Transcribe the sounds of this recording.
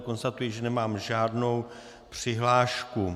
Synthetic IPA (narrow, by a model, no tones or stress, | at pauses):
ko̞nst̪at̪ujiʒɛnɛmaːmʒaːdno̞w | pr̝̥ɪɦlaːʃku